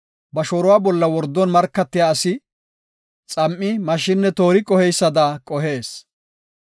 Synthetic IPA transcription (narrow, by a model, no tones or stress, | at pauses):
bɐʃoːɾʊwaːbɔlːɐwɔɾd̪ːɔnmɐɾkːɐt̪ːɪjaːsɪ | t͡sʼɐmʔːɪmɐʃɪnːɛt̪o̞ːɾɪkʼɔhɛjsːɐd̪aːkʼɔɦe̞ːs